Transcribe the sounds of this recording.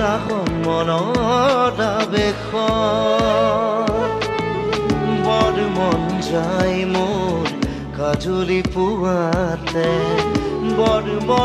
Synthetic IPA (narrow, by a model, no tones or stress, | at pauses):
ɾaɦɔnmɔnɔ | tabekʰɔ | bɔɾmɔnd͡ʒajmoɾ | kad͡ʒulipuat̪ɛ | bɔɾmɔ